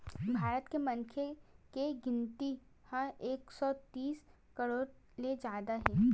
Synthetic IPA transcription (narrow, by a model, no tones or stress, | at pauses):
bʱaːɾət̪kemɐ̃ŋkʰekeɡɪ̃nt̪i | hãeːksɔt̪iːs | kəɾoːɾ | led͡ʒaːd̪aɦɛ̃ː